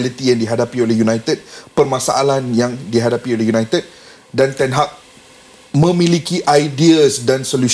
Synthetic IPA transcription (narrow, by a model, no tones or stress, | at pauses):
lit̪ijaŋdiɦadapiolɛhjunajt̪əd̚pərmãsaʔalanjaŋdiɦadapiolɛhjunajt̪əd̚ | dant̪ɛnɦaʔ̚ | mə̃mĩlikiʔajdiəsdansolu